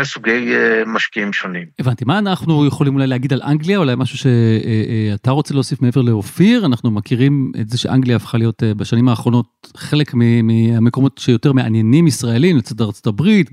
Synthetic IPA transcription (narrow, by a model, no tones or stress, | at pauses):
esuɡejmaʃkiimʃo̞nimevantimaːnaχnujeχo̞limulajleːɡid̪alʔa̰ŋɡliaulajmaʃuʃe̞ | ataʁo̞t͡se̞le̞osifmeeve̞leofiʁanaχnumakiʁimetzeʃḛʔa̰ŋɡliaːfχalijo̞tbaʃanimaːχʁo̞no̞t̚χe̞lekmimiameko̞mo̞tʃejo̞te̞ʁme̞ʔa̰nje̞nimisʁae̞limlet͡sad̪aʁt͡so̞tabʁit